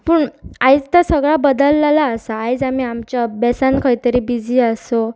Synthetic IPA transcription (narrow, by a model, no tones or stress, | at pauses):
pəːɳajd͡zt̪asəɡɭabəd̪əlːalaəsaːjd͡zamiːamt͡ɕjabɛsankʰəjt̪əɾiːbid͡zʱiːəso